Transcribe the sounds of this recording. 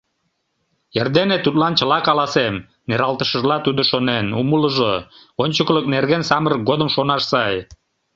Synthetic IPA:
erd̪enet̪ut̪lɑnt͡ɕə̆lɑkɑlɑsem | neɾɑlˠt̪əʃəʒlɑt̪ud̪oʃonenumələʒo | onʲt͡ɕəklək̚nerɣensɑməɾək̚ɡod̪əmʃonɑʃsɑj

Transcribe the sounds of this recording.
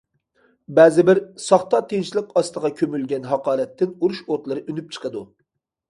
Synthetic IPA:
bæːzɪbɪɾsɑχt̪ɑt̪ʰeŋʃlˠəqɑst̪əʁɑkʲʰømylɡʲɛnɦɑqɑːɾɛt̪ːɪnuɾuʃoɾt̪lˠɨɾɨʔynyp̚t͡ʃʰə̥qʰəd̪u

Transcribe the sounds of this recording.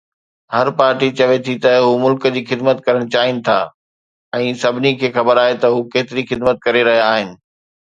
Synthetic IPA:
hɐɾpaːɾʈit͡ɕɐʋet̪ʰit̪ɐɦumʊlkd͡ʑiːxɪd̪mət̪̚kɐɾəɽ̃t͡ɕaːɦɪnɪ̆t̪ʰa̰ː | ɛ̃ːsɐbʱɪnikʰeːxɐbəɾaːɦet̪ɐɦukeːt̪ɪɾixɪd̪mət̪̚kɐɾeɾɐɦijaaːɦɪnɪ̆

